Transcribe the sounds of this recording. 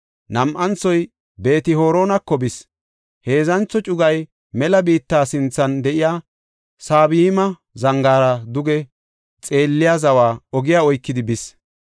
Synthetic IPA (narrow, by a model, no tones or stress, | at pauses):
nɐmʔɐnt͡sɔj | be̞ːt̪ɪho̞ːɾo̞ːnɐkːɔbɪs | he̞ːzɐnt͡sːɔt͡ʃʼʊɡɐj | mɛlɐbiːt̪ːaːsɪnt͡sːɐnd̪ɛʔɪjaː | saːβɪmɐ | zɐŋɡaːɾɐd̪ʊɡɛ | t͡sʼe̞ːlːɪjazɐwaːɔɡɪjaːɔjkːɪd̪ɪbɪs